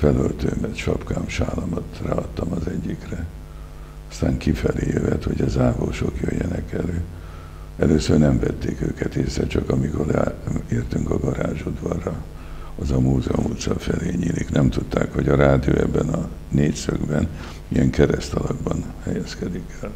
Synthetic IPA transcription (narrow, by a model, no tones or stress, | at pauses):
fɛlølt̪øːmɛt̪ʃɒpkaːmʃaːlɒmɒt̪raːɒt̪ːɒmɒzɛɟːikrɛ | ɒst̪aːŋkifɛleːjøvɛt̪ho̞ɟɒzaːvoːʃo̞kjøjːɛnɛkɛløː | ɛløːsørnɛmvɛt̪ːeːkøːkɛt̪eːsɾɛt͡ʃɒkɒmikoraeːrt̪yŋkɒɡɒɾaːʒud̪vɒrːɒ | ɒzɒmuːzɛomut̪sɒfɛleːɲiːliknɛmt̪ut̪ːaːkho̞ɟɒɾaːd̪ijoːɛbːɛnɒ | neːcsøɡbɛn | ijɛŋkɛɾɛst̪ɒlɒɡbɒnhɛjɛskɛd̪ikɛl